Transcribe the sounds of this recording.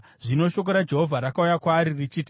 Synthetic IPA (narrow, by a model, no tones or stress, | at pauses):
ʐino̞ʃo̞k̬oɾad͡ʒe̞ɦo̞vʱaɾakaujakwaːɾirit͡ʃiːti